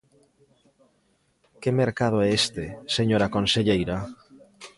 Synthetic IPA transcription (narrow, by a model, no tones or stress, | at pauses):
kemeɾkað̞oɛest̪eseɲoɾakonseʎejɾa